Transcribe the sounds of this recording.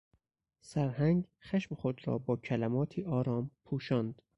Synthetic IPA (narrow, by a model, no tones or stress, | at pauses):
sæɾhæŋɡxæʃmexod̪ɾɒ̰ːbɒːcʰælæmɒːt̪ʰiːʔɒːɾɒːmpʰuːʃɒːnd̪